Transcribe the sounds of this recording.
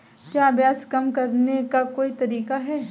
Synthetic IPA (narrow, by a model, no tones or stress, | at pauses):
kjaːɐbjaːskɐmkɐɾnekakoːit̪ɐɾiːkaɦɛː